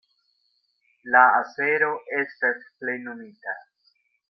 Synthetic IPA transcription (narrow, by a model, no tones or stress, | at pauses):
laase̞ɾo̞ʔe̞stasple̞jnomita